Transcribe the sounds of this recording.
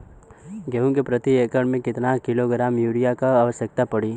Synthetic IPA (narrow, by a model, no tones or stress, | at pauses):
ɡeũkepɾət̪ieːkəɽmẽkɪt̪nakɪloɡɾaːmjuːɾijakaːʋəʃjək̚t̪apəɽi